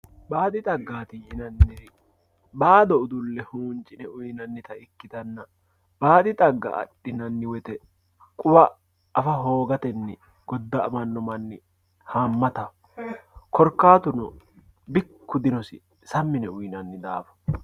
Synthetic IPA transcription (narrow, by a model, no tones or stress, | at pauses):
baːd̪ɪt̪ʼɐɡːaːt̪ɪjɪnɐnːɛ | baːd̪ɔʊd̪ʊlːɛhuːnt͡ʃʼɪnɛʊjnɐnːɪt̪ɐɪkːɪt̪ɐnːɐ | b̥aːd̪ɪt̪ʼɐɡːɐ̰ʔɐ̰ɗːɪnɐnːɪwɛt̪ɛ | kʼʊbɐː | fɐɦo̞ːɡɐt̪ɛnːɪ | ɡ̥ɔd̪ːɐɐmɐnːɔmɐnːɪ | haːmːɐt̪ɐ | kɔɾkːaːt̪ʊnɔ | bɪkːʊd̪ɪnɔsɪ̰ | sɐmːɪnɛʊjnɐnːɪd̪aːfɐ̥